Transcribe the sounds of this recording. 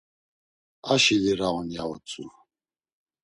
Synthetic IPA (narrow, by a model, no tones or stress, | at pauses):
aʃiliɾaɔnjaɔt͡sʼu